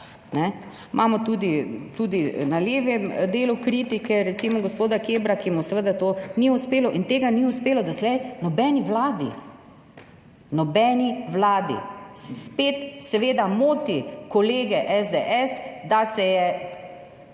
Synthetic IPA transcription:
nɛ | mʔamɔt̪uːd̪it̪uːd̪inaljeːʋɛmd̪eːlukɾiːt̪ikɛɾɛt̪simɔɡospoːd̪akebɾakimɔsɛʋəd̪at̪oːniuspeːlɔʔint̪eːɡaniuspeːlɔd̪aslɛjnɔbɛːniʋlaːd̪ḭ | nɔbɛːniʋlaːd̪ḭspet̪sɛʋeːd̪amoːt̪ikɔleːɡɛʔɛzd̪eʔɛsd̪asɛjɛ

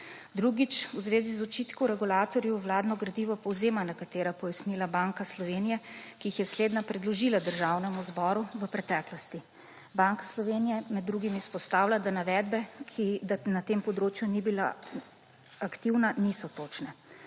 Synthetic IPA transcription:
d̪ɾuɡit͡ʃwzʋeːzizɔt͡ʃit̪kɔwɾɛɡulaːt̪ɔɾjuwlaːd̪nɔɡɾad̪iʋɔpɔwzeːmanakat̪eːɾapɔjasniːlabaŋkaslɔʋeːnijɛkiixjɛsleːd̪napɾɛd̪lɔʒilad̪əɾʒawnɛmuzbɔɾuʋəpɾɛt̪ɛːklɔst̪i | baŋkḁslɔʋeːnijɛmɛd̪ːɾuɡimispɔst̪awlad̪anaʋɛd̪bɛkʰid̪anat̪eːmpɔd̪ɾoːt͡ʃjunibila̰ | akt̪iwnanisɔt̪oːt͡ʃnɛ

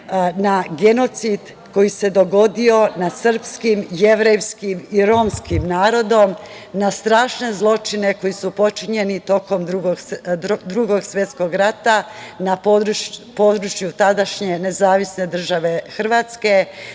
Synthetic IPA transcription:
naɡe̞no̞t̪sid̪ | ko̞jise̞d̪o̞ɡo̞d̪io̞nad̪sr̩pskimje̞ʋɾejʋskimiɾo̞mskimnaːɾo̞d̪o̞m | nast̪ɾaːʃne̞zlˠo̞t͡ʃine̞ko̞jisupo̞t͡ʃiɲe̞nit̪o̞ko̞md̪ɾuɡoɡd̪ɾuɡo̞ɡsʋje̞t̪sko̞ɡɾat̪anapod̪ɾupo̞ːd̪ɾut͡ʃjut̪ad̪aʃɲe̞ne̞zaːʋisne̞d̪r̩ʒaʋe̞xr̩ʋat̪ske̞

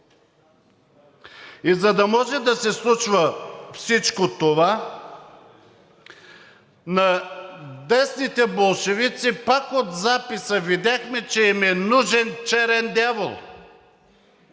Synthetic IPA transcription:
izɐd̪ɐmɔʒɛd̪ɐsɛslˠut͡ʃvəfsit͡ʃkot̪ova | nɐ | d̪ɛsnit̪ɛbolˠʃɛvit̪sipakot̪zapisəvid̪ʲaxmɛt͡ʃɛimɛnuʒɛnt͡ʃɛɾɛnd̪ʲjavə̰lˠ

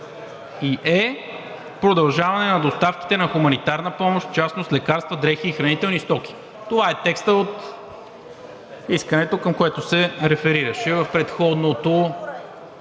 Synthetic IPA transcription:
iʔɛ | pɾod̪ɐlˠʒavɐnɛnɐd̪ost̪afki̥t̪ɛnɐxumɐnit̪aɾnəpɔmoʃt̪t͡ʃasnoslɛkaɾst̪vəd̪ɾɛxiːxɾɐnit̪ɛlˠnist̪ɔk̟i̥ | t̪ovaɛt̪ɛkst̪əot̪ | iskənɛt̪okəmkoɛt̪osɛɾɛfɛɾiɾəʃɛvəfpɾɛt̪xɔd̪not̪o

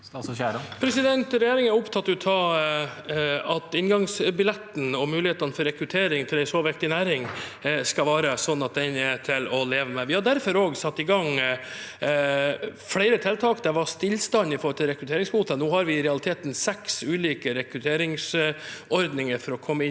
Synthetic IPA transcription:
pʰɾɛsɪd̪ɛnt̪ɾɛjeːɾɪŋæɾʊpt̪ʰɑt̪ːʊt̪ʰɑ | ɑt̪ɪnɡɑŋsbɪlɛt̪ːn̩ɔmʉːlɪheːt̪ɑnəfɔɾɛkɾʉt̪ʰeːɾɪŋt̪ʰɪlɛɪsoːʋɛkt̪ɪnæːɾɪŋskɑʋɑːɾəsɔnːɑt̪̚d̪ɛnɛt̪ʰɪlɔleːʋəmɛʋɪhɑɖæɾfɔɾoːɡsɑt̪ːɪɡɑŋ | fɽæɪɾət̪ʰɪlt̪ʰɑːkd̪ɛʋɑst̪ɪlːst̪ɑnːɪfɔːɾt̪ʰɪlɾɛkɾʉt̪ʰeːɾɪŋsbuːt̪ənoːhɑɾʋɪɾɛɑlɪt̪ʰeːt̪n̩sɛksʉːliːkəɾɛkɾʉt̪ʰeːɾɪŋsɔɾd̪nɪŋəɾfɔɾɔkʰɔmːəɪ

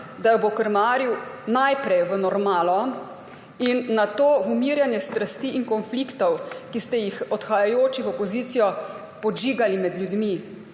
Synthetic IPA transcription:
d̪ajbokəɾmaːɾjuwnajpɾɛjʋənɔɾmaːlɔ | inːat̪oːvumiɾjanjɛst̪ɾast̪iiŋkɔnflikt̪ɔwkist̪ɛjixɔt̪xajajoːt͡ʃiɣɔpɔziːt̪sijɔ | pɔd͡ʒiːɡalimɛd̪ljud̪mi

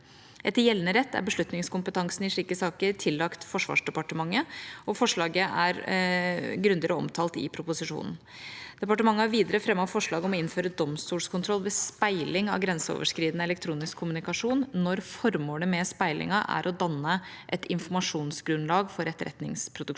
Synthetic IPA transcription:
ɛt̪ːəjɛlːnəɾɛt̪ːæ̰ɾbəʂɭʉt̪nɪŋskʊmpət̪ʰɑŋsnɪʂɭiːkəsɑːkəɾʈʰɪlːɑkt̪fɔʂʋɑ̰ːʂɖɛpɑʈəmɑŋːəɔfɔʂɭɑːɡəæɾ | ɡɾʉnd̪ɪɾəɔ̰mt̪ʰɑːlt̪ɪ̰pʰɾʊpʊsɪʂṵːnn̩ | d̪̥ɛpɑʈəmɑŋːəæɾʋiːd̪əɾəfɾɛmːɑfɔʂɭɑːɡɔmɔɪnføːɾəd̪ɔmst̪uːlskʰʊnt̪ʰɾɔlːʋɛspæɪlɪŋɑ̰ʋɡɾɛnsəo̰ːʋəʂkɾiːd̪nəɛlɛkt̪ʰɾuːnɪskʰːʊmʉnɪkɑʂuːnnɔɾfɔɾmoːləmɛspæɪlʔɪ̰ŋɑʔæ̰ɾʔɔd̪ɑnːə | ʔɛt̪ʰɪnfɔɾmɑʂuːnsɡɾʉnlɑːɡfɔɾɛt̪ːɾɛ̰t̪nɪ̰ŋspʰɾʊd̪ʉk

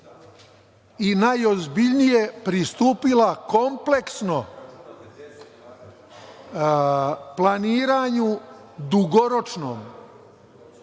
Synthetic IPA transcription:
inajo̞zbiʎnijepɾist̪uːpilakomple̞ksno̞ | planiːɾaɲu | d̪uɡoɾot͡ʃnoːm

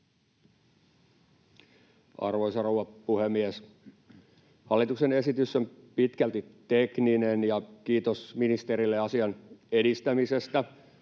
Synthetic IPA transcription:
ɑ̰rʋo̞jsɑrouwʋɑpuhemːies | hɑlːit̪ukse̞ne̞sit̪ysːompit̪kælt̪it̪ekninenjɑkiːt̪osminist̪eɾilːeɑsiɑnedist̪æmise̞st̪æ

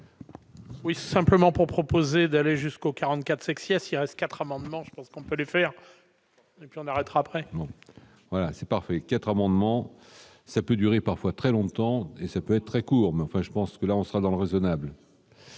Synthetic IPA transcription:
wisɛ̃pləmɑ̃puʁpχɔpozed̪aleʒyskokaʁɑ̃t̪kat̪sɛ̃ksjɛsilʁɛst̪̚kat̪χamɑ̃d̪mɑ̃ʒəpɑ̃skɔ̃pølefɛʁ | epɥiɔ̃naʁɛt̪ʁaːpχɛbɔ̃ | vwalasɛpaʁfɛkat̪χamɑ̃d̪mɑ̃ | sapød̪yʁepaʁfwat̪χɛlɔ̃t̪ɑ̃esapøɛt̪̚t̪ːχɛkuːʁmɛɑ̃fɛ̃ʒəpɑ̃skəlaɔ̃səʁad̪ɑ̃ləʁezɔnabl

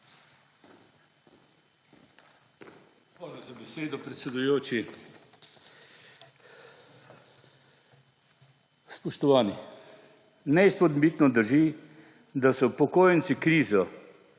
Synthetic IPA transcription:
alizabɛseːd̪ɔpɾɛt̪sɛd̪ujoːt͡ʃi | spɔʃt̪ɔʋaːni | nɛispɔd̪bit̪nɔd̪əɾʒi | d̪asɔpɔkoːjənt̪sikɾiːzɔ

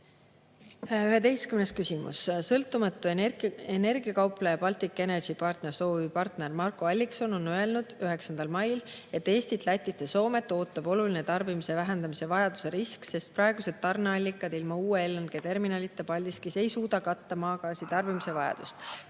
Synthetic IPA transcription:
yɦe̞t̪e̞jskymneskysimṵssɤlt̪ːˑumɑt̪ːˑuee̞ne̞rɡ̥iɑkɑwpˑlɑjɑpɑlt̪ikˑːene̥ʒipɑrt̪ne̞rso̞ːvipɑrt̪ne̞rmɑrkːˑoɑlʲːikso̞no̞nøe̞lnud̪̥yɦe̞ksɑnd̪̥ɑlmɑjle̞t̪ːe̞ːst̪it̪læt̪ʲːˑit̪ːˑeso̞ːme̞t̪ːˑo̞ːt̪ːˑɑb̥o̞lulinet̪ɑrbimise̞væɦend̪ɑmise̞vɑjɑd̪̥use̞ɾiskse̞st̪̚prɑeɡ̥use̞d̪̥̚t̪ːɑrnɑɑlʲːikːˑɑd̪̥ilmɑuːeelːonɡ̥et̪e̞rminɑlit̪ːˑepɑlʲd̪iskese̞jsuːd̪̥ɑkɑt̪ːɑmɑːɡ̥ɑːsit̪ɑrb̥imise̞vɑjɑ̰d̪̥ust̪

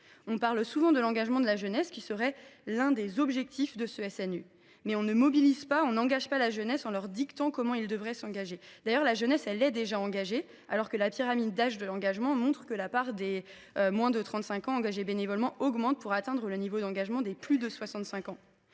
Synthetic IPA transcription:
ɔ̃paʁlsuvɑ̃d̪əlɑ̃ɡaʒmɑ̃d̪əlaʒənɛskʲisəʁɛlɛ̃d̪ezɔbʒɛk̚t̪ifd̪əsəɛsɛny | mɛɔ̃nəmɔbilizpaɔ̃nɑ̃ɡaʒpalaʒənɛsɑ̃lœʁd̪ikt̪ɑ̃kɔmɑ̃ild̪əvʁɛsɑ̃ɡaʒed̪̥ajœʁlaʒənɛsɛlɛd̪eʒaɑ̃ɡaʒe | alɔʁkəlapiʁamid̪ːaʒd̪əlɑ̃ɡaʒmɑ̃mɔ̃t̪χə̥kəlapaʁd̪e | ømwɛ̃d̪ət̪χɑ̃t̪sɛ̃kɑ̃ɑ̃ɡaʒebenevɔlmɑ̃ɔɡmɑ̃t̪̚puʁat̪ɛ̃d̪ʁələnivod̪ɑ̃ɡaʒmɑ̃d̪eplyd̪əswasɑ̃t̪sɛ̃kɑ̃

